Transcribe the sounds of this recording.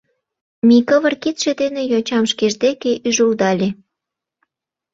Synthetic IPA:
mikəβərkit̪ʃĕd̪enejot͡ɕɑmʃkeʒd̪ekeʔyʒuld̪ɑlʲe

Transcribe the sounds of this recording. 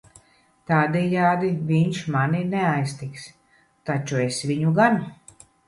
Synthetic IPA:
t̪aːd̪ɛjaːd̪iviɲʃmaninɛajst̪iks | t̪at͡ʃuesvʲiɲuɡan

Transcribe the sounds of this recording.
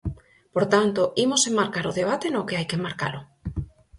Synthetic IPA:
poɾt̪ant̪oimosemmaɾkaɾoðeβ̞at̪enokeajkemːaɾka̰lo

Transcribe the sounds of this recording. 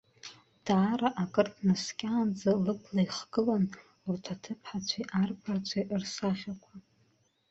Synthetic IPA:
d̥aːɾaʔakʼɨrtʰnaskʲʼaːnd͡zalɨpʰlaiχɡ̥ɨlan | urtʰatʰɨpʰħat͡ʃʷʰaʔarpʰart͡ɕʷʰaʔrsaχʲakʷʰa

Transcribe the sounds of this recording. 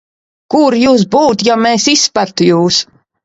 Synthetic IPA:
kuɾjuːs̬buːt̪jameːsisːpæɾt̪ujuːs

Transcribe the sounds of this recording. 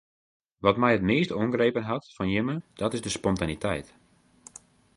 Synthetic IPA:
ʋɔtmɛjɦətmeːstoəŋɡrejpənɦɑtfɔnjɪməd̥ɔtɪzdəspɔntanitʰɛ̰jt

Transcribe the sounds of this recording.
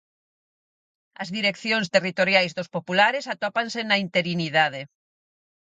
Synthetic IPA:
ɐzðiɾekθjoŋst̪erit̪oɾjajzðospopulaɾesat̪opansenɐint̪eɾiniðað̞e

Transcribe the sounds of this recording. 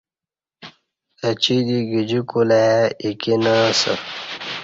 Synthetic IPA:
ɐt͡ɕid̪iɡid͡ʑukulajaikinasə̰

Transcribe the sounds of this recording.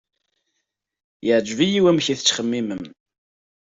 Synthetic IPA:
jəʕd͡ʒvijiwæmçiθə̥t͡sːχəmːiməm

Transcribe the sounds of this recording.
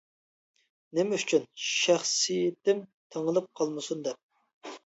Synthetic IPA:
nɪmɛyt͡ʃʰynʃæχsijɪt̪ɪmt̪ʰəŋəlˠɨp̚qʰɑlˠmɨsund̪ɛp̚

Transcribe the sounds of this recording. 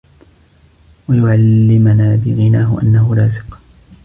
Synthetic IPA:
wajʊʕalːɪmanaːbɪɣɪnaːɦʊʔa̰nːahʊlaːsɪ̥q

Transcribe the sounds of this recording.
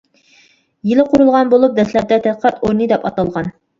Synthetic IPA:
jilɪqʰoɾulˠʁɑnbolˠup̚d̪ɛslɛɾ̚d̪ɛt̪ʰɛt̪qʰɑt̪ʰoɾnɨd̪ɛpɑt̪ɑlˠʁɑn

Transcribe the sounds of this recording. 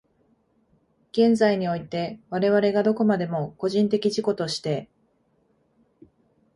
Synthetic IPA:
ɡ̥ẽ̞nzaiɲ̟io̞it̪e̞βaɾe̞βaɾe̞ɡad̪o̞ko̞mad̪e̞mo̞ko̞ʑĩnt̪e̞kʲiʑiko̞t̪o̞ɕi̥t̪e̞

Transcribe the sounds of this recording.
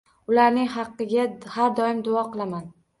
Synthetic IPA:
ʊlaɾnɪŋhɑqːɨɡʲahaɾd̪ɒɪmd̪ʊɒqɨlˠaman

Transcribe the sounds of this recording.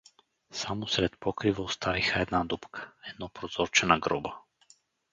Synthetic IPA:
samɔsɾɛt̪̚pɔkɾivaɔst̪ʰavixaɛd̪nad̪upkʰḁɛd̪nɔpɾɔzɔɾt͡ʃɛnaɡɾɔba

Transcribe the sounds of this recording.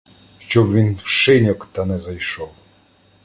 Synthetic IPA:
xt͡ɕɔwvʲinfʂɪnʲɔkt̪anɛzajʂɔw

